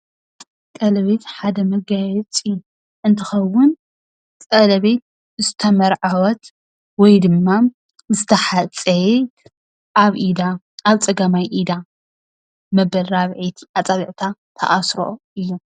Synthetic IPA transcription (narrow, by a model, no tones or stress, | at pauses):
kʼɐlɐβet̪ħad̪ɐmɐɡajɛt͡sʼɨ | ʔɨnt̪ʰɨxɐwʊn | t͡sʼɐlɐβet̪ | zɨt̪ʰɐmɐɾʕawɔt̪ | wɔjd̪ɨmːa | zɨt̪ʰɐħat͡sʼe | ʔaβʔid̪a | aβt͡sʼɐɡamajʔid̪a | mɐbɐlɾaβʕit̪ʔat͡sʼaβiʕt̪ʰat̪ʰɐ̰ʔasɾo̰ʔɨjːu